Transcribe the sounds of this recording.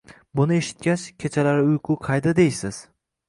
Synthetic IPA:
bʊnɪe̞ʃɪ̥t̪̚kʲat͡ʃkʲʰet͡ʃʰalaɾɪʊjqʰʊqʰɑjd̪ad̪ejsɪz̥

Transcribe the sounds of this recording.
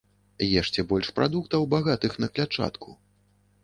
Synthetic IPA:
jɛʂt͡ʂɛbɔlʲʂpɾʔa̰d̪ukt̪ɐwbaɣat̪ɨxnɐklʲat͡ʂa̰t̪kʰu

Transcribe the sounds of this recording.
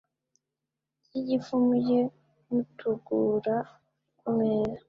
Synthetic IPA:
ijifumuje | mutʰuɡuːɾa | kuŋeːɾa

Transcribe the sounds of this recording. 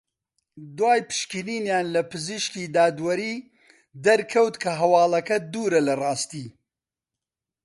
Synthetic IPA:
d̪waːjpɨ̥ʃkiniːnjaːnlɐpɨziʃkiːd̪aːd̪wɐɾiː | d̪ɐɾkʰɐwt̪kʰɐɦɐwɑːlɐkɐd̪uːɾɐlɐrɑːst̪iː

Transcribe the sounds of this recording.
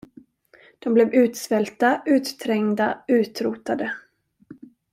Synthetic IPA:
d̪̥ɔmblɛvʉ̟ːt̪svɛlt̪aʔʉ̟ːt̪t̪ʰɾɛŋd̪aʉ̟ːt̪ɾuːt̪ad̪ə

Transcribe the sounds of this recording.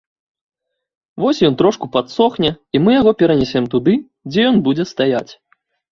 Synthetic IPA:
vɔsʲjɔnt̪ɾɔʂkupat̪sɔxnʲɛimɨjaɣɔpʲɛɾɐnʲɛsʲɛmt̪ud̪ɨ | d͡zʲɛjɔnbud͡zʲɛst̪ajat͡sʲ

